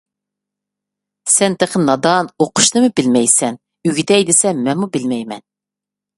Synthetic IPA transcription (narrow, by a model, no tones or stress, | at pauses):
sɛnt̪ʰeqʰənɑd̪ɑnoqʰʊ̥ʃnɨmɨbɪlmɛjsɛn | yɡʲit̪ʰɛjd̪ɪsɛmɛmubɪlmɛjmɛ̰n